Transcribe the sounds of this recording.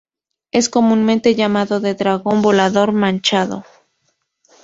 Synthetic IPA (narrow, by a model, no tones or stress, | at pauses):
e̞sko̞mũnmẽnt̪e̞ʝamaðo̞ðe̞ðɾaɣo̞mbo̞laðo̞ɾmãnt͡ʃaðo̰